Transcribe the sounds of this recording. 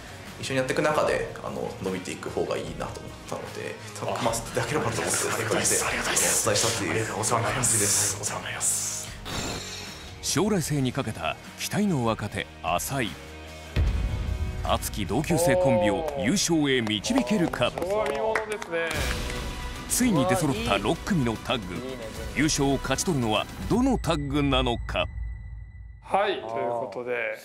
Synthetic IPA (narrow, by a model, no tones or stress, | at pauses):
iɕːo̞ɲijat̪ːekɯ̟nakad̪e̞̰a̰no̞̰no̞bʲit̪e̞ikɯ̟ho̞ːɡa̰iːna̰t̪oːmot̪ːano̰d̪e̞̰ | mast̪ed̪akeɾebaomot̪ːeek̪eaɾʲiat̪oet͡sɨ̥t̪aiɕi̥t̪at̪ːejsaõid̪esaas | ɕo̞ːɾaise̞ːɲ̟ikake̞t̪a̰ | kʲʰi̥t̪aino̞ːβakat̪e̞̰ | a̰sai | a̰t͡sɨ̥kʲid̪o̞ːkʲɨːse̞ːkõ̞mbʲio̞jɨːɕo̞ːe̞mʲit͡ɕibʲike̞ɾɯ̟kʰaod̪od̪esɨne | t͡sɨiɲ̟id̪e̞so̞ɾo̞t̪ːaɾo̞kːɯ̟mʲino̞t̪ʰaɡɯ̰jɨːɕo̞ːkʰat͡ɕi̥t̪o̞ɾɯ̟no̞βa̰d̪o̞no̞t̪aɡɯ̟nano̞kʰa̰ | hait̪ojɯkot̪od̪e